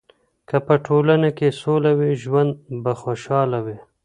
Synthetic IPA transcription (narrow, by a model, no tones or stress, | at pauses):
kapəʈʰolanakesolawiʒwand̪̚baxoʃɑlawi